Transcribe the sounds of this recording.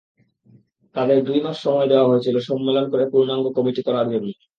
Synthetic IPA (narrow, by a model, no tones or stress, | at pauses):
t̪ad̪eɾd̪ujmaʃʃɔmɔed̪eoaɦoet͡ɕʰiloʃɔmːelonkoɾepuɾnaŋɡokɔmiʈikɔɾaɾemi